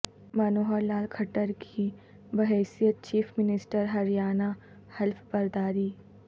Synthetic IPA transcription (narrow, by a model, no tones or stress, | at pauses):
mɐnoːɦəɾlaːlkʰɐʈəɾkʰi | bɐɦɛːsijət̪̚t͡ʃiːfʰmɪnɪsʈəɾɦɐɾijaːna | hɛlfbɐɾd̪aːɾiː